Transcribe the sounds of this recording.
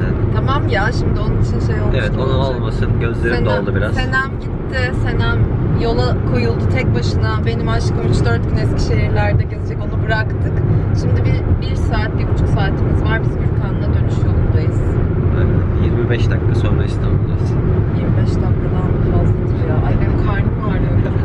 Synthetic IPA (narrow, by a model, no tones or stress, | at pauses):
t̪ʰamamjaʃimd̪ɪo̞nunit͡ʃʰinʃejolˠevɛonunolˠmasɯnɟø̞zlʲe̞ɾimd̪ɛolˠd̪ubiɾazenæmɟit̪ʰːɪse̞næmjo̞lˠakʰo̞julˠd̪ut̪ʰɛc̚baʃɯnabe̞nimaʃkʰayt͡ʃd̪ø̞ɾt̪ɟynɛscʰʲi̥ʃeɦiɾlʲæɾd̪ɛɟøzd͡ʒɛco̞nubɯɾakt̪ʰɯkʃimd̪ibiɾbiɾsaːt̪lʲikut͡ʃʰuksaːt̪ʰimizvaɾbizbilʲk̪ʰand̪ad̪ø̞nyʃjolˠumd̪ajɯz̥ | ɛ̰ɛjiɾmibɛʃd̪ak̪ːʰasøjmɛst̪amulˠajsinjiɾmibɛʃd̪ak̪ːad̪a | asɯnt̪ʰjaʔajd̪ankʰaɾnmaaɾlʲ